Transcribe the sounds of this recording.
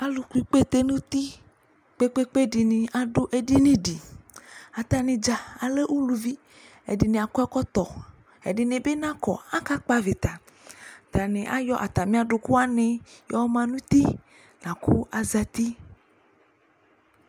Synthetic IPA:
a˨lu˨ku˨˦i˨k͡pe˦t̪e˦nũ˦t̪i˦ | k͡pe˦k͡pe˦k͡pe˦ɖi˨nĩ˨ʔa˨ɖo˦ʔe˦ɖi˦nĩ˦ɖi˨ | a˨t̪a˨nĩ˨d͡ʒa˨a˨le˦ʔwu˦lu˨vi˦ | ḛ˨ɖi˨nẽ˨a˨kɔ˦ɛ˦kɔ˦t̪ɔ˨ | ḛ˨di˨nẽ˨be˦nã˦kɔ̰˨a˦ka˦k͡pa˦ve˨t̪a˨ | t̪a˨nẽ˨ʔa̰˦jɔ˦ʔa˨t̪a˨mĩ˦a˦ɖo˨ku˦a˦nẽ˨jɔ˦mã˦nũ˦t̪i˦ | nã˨ku˦a˨za˨t̪i˦

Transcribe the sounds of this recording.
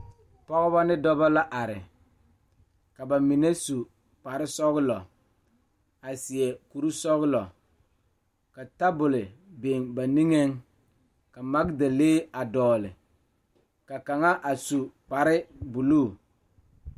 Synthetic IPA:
pɔ˦ɣɔ˦ba˦nɪ˦dɔ˦ba˦la˦ʔa˨ɾɪ˨ | ka˨ba˨mi˨ne˦su˨ | k͡pa˨ɾɪ˦sɔ˦ɣlɔ̰˨ | a˨sɪ˨ɛ˨ku˨ɾu˦sɔ˦ɣlɔ˨ | ka˨ta˦bʊ˨lɪ˨be˨ŋba˨ni˦ŋe˦ŋ | ka˨ma˦kda˨leː˦a˨dɔː˨lɪ̰˨ | ka˨ka˨ŋa˦ʔa˨su˨k͡pa˨ɾɪ˦bu˨lu˦˨

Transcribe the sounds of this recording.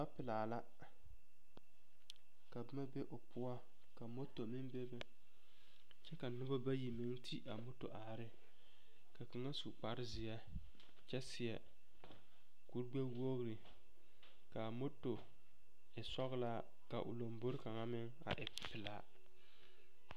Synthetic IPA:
ba˦pɪ˨laː˨la˦ | ka˨bɪ˦ma˦be˦ʔʊ˨pʊ˦a˦ | ka˨mo˦to˨mɪ˦mbe˦bɛ˦ | t͡ʃɛ˦ka˨nʊ˦ba˦ba˦ji˨mɪ˦ŋtʰi˦ʔa˨mo˦to̰˨ʔa˨ɾɪ˦ | ka˨kɪ˨ŋa˦su˨k͡pa˦ɾɪ˦zɪ˨jɛ˦ | t͡ʃɛ˦sɪ˨jɛ˨ | ku˨˦ɾɡ͡bɛ˦wo˦ɣɾɪ˨ | ka˨mo˦to˨ | ɪ˨sɔ˦ɣla˦ | ka˨ʔʊ̰˨lo˨mbo˦ɾɪ˦ka˨ŋa˦mɪ˦ŋ | a̰˨ʔɪ˨pɪ˨la˦

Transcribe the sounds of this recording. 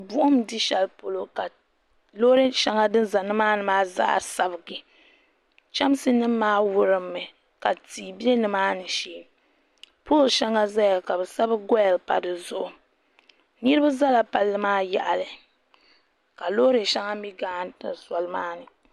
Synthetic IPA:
bʊ˦ʔʊ˦m˨di˦ʃɛ˨lpo˨lo˨ka˨ | lo˦ɾe˦ʃa˦ŋa˦dɨ˦nza˨nɨ˦maː˦nɨ˨maː˦za̰˦ʔa̰˨sa˨bɨ˨ɡɨ˨ | t͡ʃa˦m˦sɨ˦nɨ˦maː˦wʊ˦ɾɨ˨mːɨ˨ | ka˨tiː˨bje˦nɨ˨maː˦nɨ˨ʃiː˦˨˦ | po˦lʃa˦ŋa˦za˦ja˨ka˨bɛ˨sa˦bɨ˦ɡɔ˦jɛ˨lpa̰˨dɨ˨zʊ˦ʔʊ˨ | nɨ˦ɾɨ˦ba˦za˦la˨pa˨lːɨ˦maː˦jɛ̰˨ʔa˨lɨ˨ | ka˨lo˦ɾɨ˨ʃa˦ŋa˦mi˦ɡaː˦˨nta˨sa˨lɨ˦maː˦nɨ˨

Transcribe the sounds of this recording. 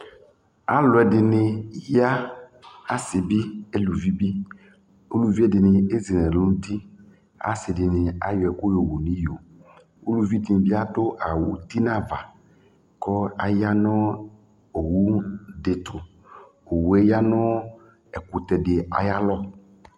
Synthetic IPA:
a˨lʊ˨ɛ˨dɪ˨nɪ˨ja˦ | a˦sɪ˨bi˦e˦lu˨vi˦bi˦ | o˦lu˨vi˦ɛ˦dɪ˨nɪ˨e˦zi˨nɛ̃˨lo˦nũ˦t̪i˦ | a̰˨˦sɪ˨dɪ˨nɪ˨a̰˦jɔ˨ɛ˨kʊ˦jo˨wo˨nĩ˦jo˨ | o˦lu˨vi˦t̪i˦n˨bi˦a˦dʊ˦ʔa˨wṵ˨t̪i˦nã˦va̰˨ | kɔ˦a˨ja˦nɔ˦ | o˨wu˦dɪ˨t̪ʰʊ˨ | o˨wu˨˦ɛ˦ja˦nʊ̃˦ | ɛ˨kʊ˨t̪ɛ˨dɪ˨a̰˨ja˦lɔ˦

